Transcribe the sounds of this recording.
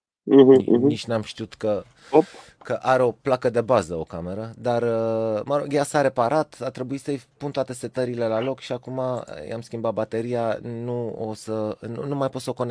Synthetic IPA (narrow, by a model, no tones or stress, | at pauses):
m̩ɦ̩n̩iʃnamʃt̪iut̪kə | op | kəʔaɾeo̞plakəd̪e̞bazəo̞̰kame̞ɾəd̪arəməɾo̞ɡjasaɾe̞paɾat̪at̪ɾe̞buitsəjpunt̪oat̪e̞se̞t̪əɾile̞lalo̞kʃiakuma̰ja̰mskʲimbat̪̚bat̪e̞ɾijanuosənumajpot̪səoko̞ne